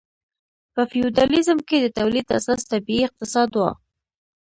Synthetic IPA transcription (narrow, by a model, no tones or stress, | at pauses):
pəfiud̪ɑlizmked̪ət̪awlid̪a̰sɑst̪abiiɪq̚t̪ɪsɑd̪wa̰